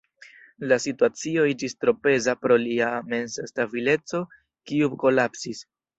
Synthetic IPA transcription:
lasituat͡sio̞id͡ʒistɾo̞pe̞zapɾo̞liame̞nsstabile̞t͡so̞ | kiuko̞lapsis

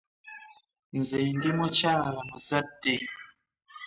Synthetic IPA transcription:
n̩zendimot͡ʃalamozade

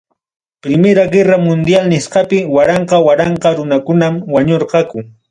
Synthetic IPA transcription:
pɾɪmeɾaɢeɾamʊnd̪jalnɪsqɑpɪwaɾɑɴqɑwaɾɑɴqɑɾʊnakʊnamwaɲoɾqɑkʊ

